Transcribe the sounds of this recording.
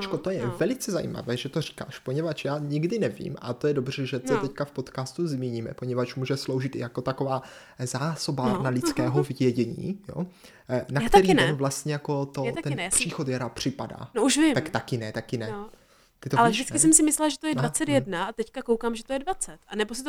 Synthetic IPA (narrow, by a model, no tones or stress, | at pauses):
t͡ʃkot̪ojɛvɛlɪt͡sɛzajḭːma̰vɛːʒɛt̪o̞ri̥ka̰ːʃpo̞ɲɛvat͡ʃjaːɲɪɡdɪnɛvḭːma̰t̪o̞jɛdobr̝̥ɛʒɛt̪ɛt̪ɛckafpot̪kaːst̪uzmiːɲiːmɛ̰po̞ɲɛvat͡ʃmuːʒɛslowʒɪt̪ɪ̰jako̞t̪ako̞vaː | zaːso̞baɾnalɪt͡skɛːɦovjɛɟɛɲḭːjo̰ | nakt̪ɛɾiːɛnvlast̪ɲɛjako̞t̪ot̪ɛnpr̥iːxot̪jaɾaːpr̝̥ɪpada̰ːnouʃvɪmt̪akt̪akɪnɛt̪akɪnɛ | t̪ɪt̪oalɛvdɪt͡skɪsɛmsɪmɪslɛlaʒɛt̪ojɛdvat͡sɛt̪jɛdnaat̪ɛckakowkaːmʒɛt̪ojɛdvat͡sɛt̪anɛbosɪt̪o